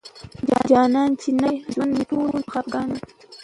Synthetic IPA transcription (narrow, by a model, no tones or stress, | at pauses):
d͡ʒɑ̰d͡ʒɑːnɑːnt͡ʃinaʒwand̪miʈolxɑpɡɑni